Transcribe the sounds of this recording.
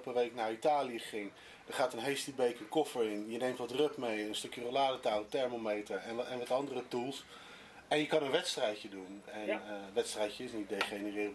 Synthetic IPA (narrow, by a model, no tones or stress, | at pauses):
lpəʋejknaːɹitaːlijəχɪŋ | d̥əχaːtənɦejstibejkənkɔfəɹɪnjənejmtʋɑtrɵpmejənstɵkjərəlaːdətawtɛɹmomejtəɹɛnɛnʋɑtɑndərətulˠs | ɛnjəkɑnənʋɛtstrɛjədunɛnʋɛtstrɛjcəɪsnit̚dejχenərɪːrb